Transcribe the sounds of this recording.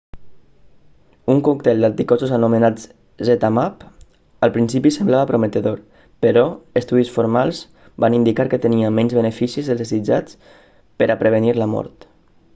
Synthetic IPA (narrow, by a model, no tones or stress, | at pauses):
uŋkuk̚t̪ɛlˠd̪ant̪ikɔzuzənumənad͡z | ʒet̪amap | əlˠpɾinsipisəmblaβəpɾomət̪əðoɾ | pəɾɔəst̪uðisfoɾmalˠz | banind̪ikaɾkət̪əniəmɛnzβənəfisizðəlˠzðezid͡ʒat͡s | pəɾʔapɾəβ̞əniɾləmɔ̰ɾt̪